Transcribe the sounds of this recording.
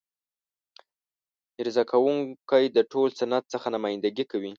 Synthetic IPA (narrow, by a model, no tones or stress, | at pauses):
ɪɾzɑkʰawuŋkajd̪əʈʰolsanat̪̚səxanamajɪnd̪aɡikawi